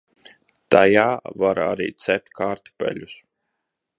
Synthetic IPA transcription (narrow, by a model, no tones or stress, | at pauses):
t̪ajaːvaɾa̰ɾḭːt̪sɛp̚ʲt̪ʲkʰaːɾt̪pɛ̰lʲus